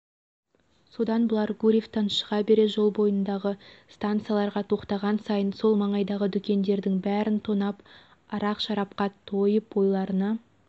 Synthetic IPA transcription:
so̞d̪ɑnbəlˠɑɾɡuɾʲift̪ɑnʃə̥ʁɑbe̞ɾe̞ʒo̞lˠbo̞jənd̪ɑʁəst̪ant̪sɨjalˠɑɾʁɑt̪ʰo̞qt̪ɑʁɑnsɑjənso̞lˠmɑɴɑjd̪ɑʁəd̪ʏkʲe̞nd̪e̞ɾd̪ɪŋbæɾɪnt̪ʰonɑp | ɑɾɑqʃɑɾɑp̚qɑt̪ʰo̞jəpo̞jlˠɑɾənɑ

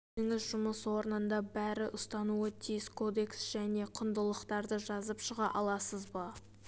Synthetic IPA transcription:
eŋɪzʒʊməswo̞ɾənənd̪ɑbæɾɪʔʊst̪ɑnuət̪ʰijɪskʰo̞d̪e̞ksʒ̥æne̞qʰʊnd̪əlˠəqt̪ɑɾd̪əʒɑzəpʃəʁɑʔɑlˠɑsəzbɑ

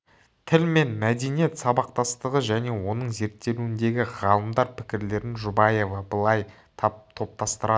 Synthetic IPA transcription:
t̪ʰɪlme̞nmæd̪e̞nije̞t̪sɑbɑq̚t̪ɑst̪əʁəʒæne̞wo̞nəɴze̞ɾt̪ːe̞luɪnd̪e̞ɡʲɪʁɑlˠəmd̪ɑɾpʰɪ̥kʲɪɾle̞ɾɪnʒʊbɑje̞vɑbəlˠɑj̪ʰ | t̪ʰo̞p̚t̪ɑst̪əɾɑ

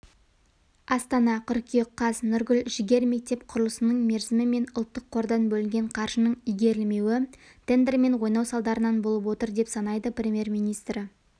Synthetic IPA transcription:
ɑst̪ɑnɑqʰʏɾkʲʰieqʰːɑsnʏɾɡʲʏlʒɪɡʲe̞ɾme̞k̚t̪e̞pqʰʊɾəlˠəsənəɴme̞ɾzɪmɪme̞nʊlˠt̪ːəqʰːo̞ɾd̪ɑnbɵlɪŋɡʲe̞ɴqʰɑɾʒənəɴijɡʲe̞ɾɪlme̞wɪ | t̪ʰe̞nd̪ɾme̞ɴwo̞jnɑwsɑlˠd̪ɑɾənɑnbolˠəp̬wo̞t̪əɾd̪e̞psɑnɑjd̪əprʲe̞mʲje̞rmijnijst̪ɾɪ

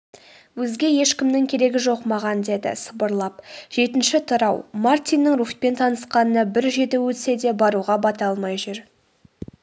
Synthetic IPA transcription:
wɵzɡʲe̞je̞ʃkʲɪmnɪŋkʲʰe̞ɾe̞ɡʲɪʒo̞qmɑʁɑnd̪e̞d̪ɪ̰səbəɾlˠɑpʒ̥e̞t̪ɪnʃɪt̪ʰʊɾɑwmart̪ijnːəŋruχ̚pe̞nt̪ʰɑnəsqɑnənəbɪɾʒe̞d̪ewɵt̪ɪse̞d̪e̞bɑɾuʁɑbɑt̪ɑlˠmɑjʒʏɾ

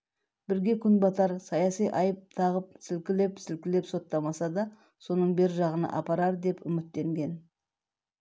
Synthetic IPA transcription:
b̥ɪɾɡʲe̞kʲʰʏnbɑt̪ɑɾsɑjɑsijʔɑjəp̚t̪ʰɑʁəp̚sɪlkʲɪle̞psɪlkʲɪle̞pso̞t̪ːɑmɑsɑd̪ɑ | so̞nəɴbe̞ɾɪʒɑʁənɑ̰ʔɑ̰pɑɾɑɾd̪e̞pʏmɪt̪ːe̞ŋɡʲe̞n

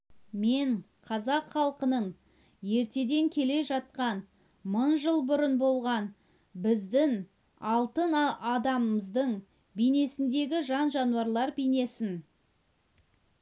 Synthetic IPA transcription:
me̞ɴ | qʰɑzɑqχɑlˠqənəɴ | je̞ɾt̪e̞d̪e̞ŋkʲʰe̞le̞ʒɑt̪̚qɑn | mʊɴʒəlˠbʊɾənbo̞lˠʁɑn | bɪzd̪ɪŋ | ɑlˠt̪ənɑd̪ɑməməzd̪əɴ | bijne̞sɪnd̪e̞ɡʲɪʒɑnʒɑnuɑɾlˠɑɾbijne̞sɪn

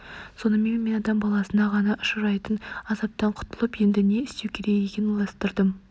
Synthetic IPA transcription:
so̞nəme̞nme̞nɑd̪ɑmbɑlˠɑsənɑʁɑnɑʔʊʃəɾɑjt̪ənɑzɑp̚t̪ɑɴqʰʊ̥t̪ʰəlˠəpje̞nd̪ɪne̞ɪst̪ewkʲʰe̞ɾeɡekʲenɪlˠɑst̪əɾd̪əm

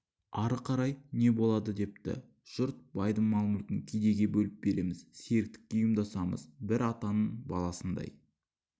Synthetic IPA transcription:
ɑɾəqʰɑɾɑjne̞bo̞lˠɑd̪əd̪e̞p̚t̪ɪ̰ | ʒ̥ʊɾt̪̚b̥ɑjd̪əŋmɑlˠmʊlk̪ʲɪŋkʲʰejd̪e̞ɡʲe̞bɵlɪp̚be̞ɾe̞mɪzse̞ɾɪk̚t̪ɪ̥k̚ʲːe̞jʊmd̪ɑsɑmə̰zbɪɾɑt̪ɑnəɴbɑlˠɑsənd̪ɑ̰j

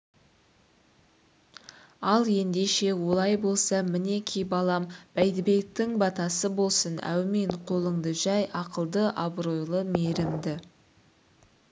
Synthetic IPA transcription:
ɑlˠje̞nd̪e̞ʃe̞wo̞lˠɑjbo̞lˠsɑmɪne̞kʲʰijbɑlˠɑmb̥æjd̪ɪbe̞k̚t̪ɪŋbɑt̪ɑsəbo̞lˠsənæ̰wmeɴqʰo̞lˠəɴd̪əʒɑjʔɑqəlˠd̪əʔɑbɾo̞jlˠəmeɾɪmd̪ɪ

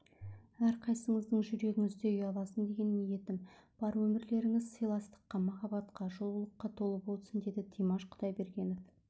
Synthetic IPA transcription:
æɾqʰɑjsəɴəzd̪əɴʒʏɾe̞ɡʲɪŋʏzd̪e̞ʏjɑlˠɑsənd̪e̞ɡʲe̞nmije̞t̪ɪmb̥ɑɾwɵmɪɾle̞ɾɪŋɪzsəjlˠɑst̪ə̥qːɑmɑχɑbɑt̪qɑʒo̞lˠəlˠəqːɑt̪ʰo̞lˠəpwo̞lˠsənd̪e̞d̪ɪt̪ʰijmɑʃqʰʊ̥t̪ɑjbe̞ɾɡʲe̞nof

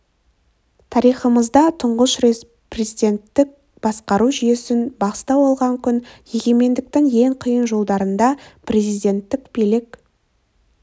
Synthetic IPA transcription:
t̪ʰɑɾijχəməzd̪ɑt̪ʰʊɴʁəʃɾes | prezijd̪ʲe̞nt̪ːɪk̚ | b̥ɑsqɑɾuʒʏje̞sɪnbɑqst̪ɑwɑlˠʁɑŋkʲʰʏnje̞ɡʲe̞me̞nd̪ɪk̚t̪ɪŋje̞ɴqʰijənʒo̞lˠd̪ɑɾənd̪ɑprʲe̞zijd̪ʲe̞nt̪ːɪkb̥elɪk

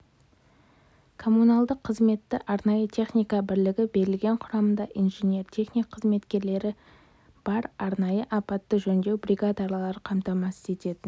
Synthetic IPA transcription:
kʰo̞munɑlˠd̪əqʰːəzme̞t̪ːɪʔɑɾnɑjət̪ʰe̞χnijkɑbɪɾlɪɡʲɪbe̞ɾɪlɡʲe̞ɴqʰʊɾɑmənd̪ɑʔinʒenʲe̞ɾt̪ʲʰe̞χnijkqʰːəzme̞t̪kʲe̞ɾle̞ɾɪ | b̥ɑɾɑɾnɑjəʔɑpɑt̪ːəʒɵnd̪e̞wbrʲiɡad̪ɑɾlˠɑɾəqʰɑmt̪ɑmɑsə̥ze̞t̪e̞t̪ɪn

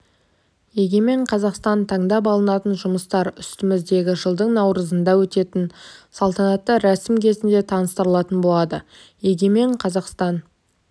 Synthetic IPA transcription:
je̞ɡʲe̞me̞ɴqʰɑzɑqst̪ɑnt̪ʰɑɴd̪ɑp̬ɑlˠənɑt̪ənʒʊməst̪ɑɾʏst̪ɪmɪzd̪e̞ɡʲɪʒəlˠd̪əɴnɑwɾəzənd̪ɑwɵt̪e̞t̪ɪnsɑlˠt̪ɑnɑt̪ːəɾæsɪmkʲʰe̞zɪnd̪e̞t̪ʰɑnəst̪əɾəlˠɑt̪ənbo̞lˠɑd̪ə | je̞ɡʲe̞me̞ɴqʰɑzɑqst̪ɑn

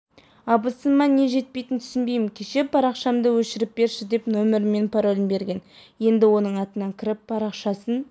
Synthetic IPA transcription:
ɑbəsənmɑne̞ʒe̞t̪̚pe̞jt̪ɪnt̪ʰʏ̥sɪnbe̞jmɪnkʲʰeʃe̞pʰɑɾɑqʃɑmd̪əwɵʃɪɾɪp̚be̞ɾʃɪd̪e̞pnomɪɾme̞npʰɑɾo̞lʲɪnbe̞ɾɡʲe̞nje̞nd̪ɪwo̞nəɴɑt̪ənɑŋkʲʰɪɾɪp̚ːɑɾɑqʃɑsən

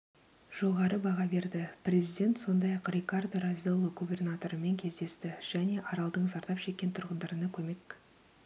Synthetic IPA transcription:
ʒ̥o̞ʁɑɾəbɑʁɑbe̞ɾd̪ɪprʲe̞zijd̪ʲe̞nt̪so̞nd̪ɑjɑqrʲekard̪razʲialˠəɡubʲe̞rnat̪o̞ɾəme̞ŋkʲʰe̞zd̪e̞st̪ɪʒ̥æne̞ʔɑɾɑlˠd̪əɴzɑɾt̪ɑpʃe̞kʲːe̞nt̪ʰʊɾʁənd̪ɑɾənɑkʲʰɵme̞k

